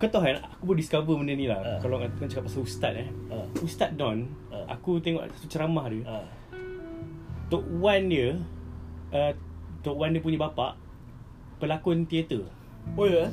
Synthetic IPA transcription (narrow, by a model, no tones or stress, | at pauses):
kət̪ɔɦana̰kupʊdiskavəməndənĩlahkalɔkant͡ʃakap̚masaust̪a̰t̪̚ɛust̪at̪̚dɔ̃nʔa̰kut̪eŋɔ̰ʔsḁt̪ut͡ʃəɾamahdə | t̪ɔʔwandiə | ət̪ɔʔwandiəp̬uɲəbapa̰ʔ | pəlakɔnt̪iet̪ə | ojə